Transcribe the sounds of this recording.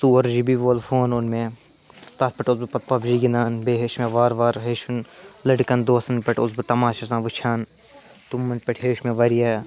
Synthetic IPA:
suːɐɾd͡ʒibiʋoːlfoːnonmẽ | t̪ɐt̪̚pɐʈʊsbɨpɐt̪̚pɐbd͡ʒiːɡinaːnbeːɦeʃmẽʋaːɾʋaːɾɦeːʃun | lɐɽkɐnd̪oːsɐnpɐʈʊsbɨt̪ɐmaːʃɐsãːʋɨt͡ʃʰaːn | t̪umːɐn̚peʈʰɦeːʃmẽːʋɐɾijaː

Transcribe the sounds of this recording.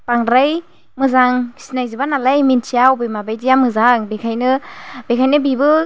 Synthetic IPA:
paŋɾaj | mɯzaŋsinajzɯbanalajminsʰiawbɯjmabajziamɯzaŋbekʰajnɯbekʰajnɯbibɯ

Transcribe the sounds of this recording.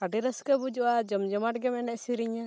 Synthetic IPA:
kaɖiɾəskabud͡ʒuʔad͡ʒɔmd͡ʒɔmaʈ̚ɡɛmɛnɛʔsiɾiɲa

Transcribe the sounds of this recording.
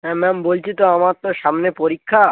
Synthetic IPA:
ɦɛmɛmbolt͡ɕʰit̪oamaɾt̪oʃamnepoɾikʰːa

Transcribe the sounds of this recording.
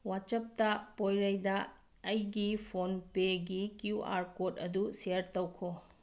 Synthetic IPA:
wat͡ʃɐp̚tɐpojɾɐjdɐ | ɐjɡipʰonpeɡikjuʔa̰ɾkotɐduseɾtɐwkʰo

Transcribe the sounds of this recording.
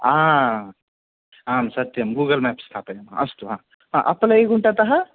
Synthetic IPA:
ã | ɦaːmsɐt̪jɐmɡuɡəlmɛpst̪ʰat̪əjɐmã̰ɐst̪uɦã | ã̰ʔɐ̰plɐeɡuɳʈat̪ɐɦa

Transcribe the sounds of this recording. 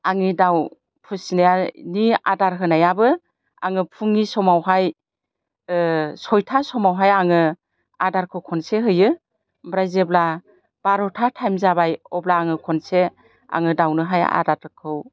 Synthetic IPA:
aŋidaw | pʰɯsnajania̰daɾɦɯnajabɯ | a̰ŋɯpʰuŋisɔmawɦaj | sɔjtʰasɔmawɦajaŋɯ | adaɾkʰɯwkʰɔnseɦɯjɯ | bɾajzebla | b̥aɾɔtʰatʰajmzabajɔblaːŋɯkʰɔnse | a̰ŋɯdawnɯɦaja̰daɾkʰɯw

